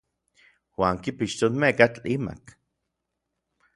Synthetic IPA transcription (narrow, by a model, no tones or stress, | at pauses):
waːŋkipiʃt̪onmekat͡ɬima̰k